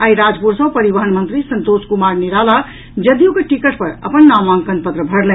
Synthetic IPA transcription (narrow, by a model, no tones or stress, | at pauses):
aiɾad͡ʒpuɾsə̃pəɾibəɦəɳmənt̪ɾisənt̪oskumaɾniɾala | d͡ʒəd̪jukeʈikəʈpəɾə̰pənːamãŋkənpət̪ɾəbʱəɽlɛ̃